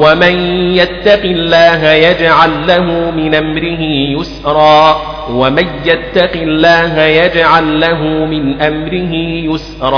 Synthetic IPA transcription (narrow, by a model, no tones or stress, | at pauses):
wamanjat̪ːɑqɪlːaːɦajad͡ʒʕalːaɦuːmɪnʔamɾɪɦɪjʊsɾˤɑː | wamanjat̪ːɑqɪlːaːɦajad͡ʒʕalːaɦʊmɪnʔamɾɪɦɪjʊsɾˤɑː